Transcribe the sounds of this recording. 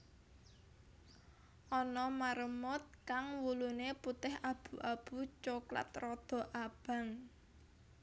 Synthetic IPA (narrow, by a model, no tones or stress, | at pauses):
ʔɔnɔmaɾəmʊt̪̚kaŋwuluneput̪ɪhab̥ṳʔab̥ut͡ʃokla̰t̪rɔd̪̥ɔ̤ʔab̥ä̤ŋ